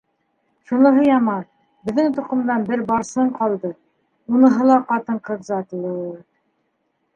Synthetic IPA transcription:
ʃunɤ̆ɦɤjɑmɑɾ | bɘ̆ðːɘŋt̪uqɤ̆md̪ɑnbɘɾbɑɾsɤɴqɑlˠd̪ɤ | unɤ̆ɦɤlˠɑqɑt̪ɤɴqɤðzɑt̪uɤ̆ɤ

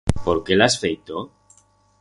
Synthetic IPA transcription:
poɾkelasfejt̪o

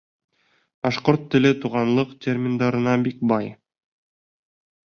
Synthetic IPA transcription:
b̥ɑʃqoɾt̪ːɘ̆lɘt̪uʁɑnlˠɤqt̪ʲerʲmʲɪnd̪ɑɾɤ̆nɑbik̚bɑj

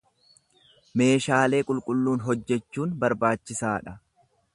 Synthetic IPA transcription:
me̞ːʃaːle̞ːkʼʊlkʼʊlːuːnɦɔd͡ʒːɛt͡ʃːuːnbɐɾbaːt͡ʃːɪsaːᶑɐ

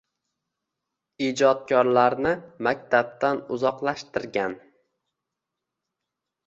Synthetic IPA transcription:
id͡ʒɒt̪̚kʲʰɒɾlaɾnɪmak̚ʲt̪ʰab̚t̪anʊzɒqlˠaʃt̪ɪɾɡʲan

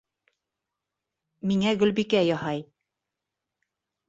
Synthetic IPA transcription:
miŋæɡɵ̆lbikæjɒhɑj

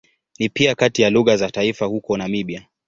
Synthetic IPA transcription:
nipiakatijaluɣazataifahukɔnamiɓia

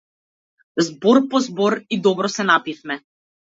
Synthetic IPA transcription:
zbɔɾpɔzbɔɾid̪ɔbɾɔsɛnapifmɛ

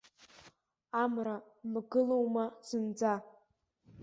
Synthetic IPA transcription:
amra | mɡɨlowmaz̥ɨnd͡za

